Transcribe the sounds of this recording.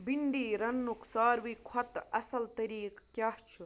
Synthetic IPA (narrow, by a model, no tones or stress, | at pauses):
biɳɖiːɾɐnːuksaːɾʋiːkʰɐt̪ɐsɐlt̪ɐɾiːkkjaːht͡ʃʰu